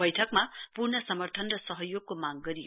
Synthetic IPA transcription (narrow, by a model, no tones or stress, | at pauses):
ʌjʈʰʌkmapurnʌsʌmʌrt̪ʰʌnrʌsʌɦʌjoɡ̚komaɡɡʌɾij